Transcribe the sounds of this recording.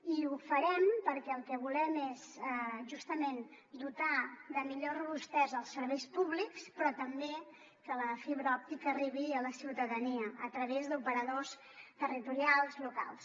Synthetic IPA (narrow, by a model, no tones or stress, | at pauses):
iufəɾɛmpəɾkɛəlˠkɛβulɛmezɛʒust̪əmen | d̪ut̪aðəmiʎorəβust̪ɛzəlˠsəɾβejspuβlikspɾɔt̪əmbe | kələfiβɾɔp̚t̪ikəːriβiələsiwt̪əðəniəət̪ɾəβezd̪upəɾəðos | t̪ərit̪uɾialˠzluka̰lˠs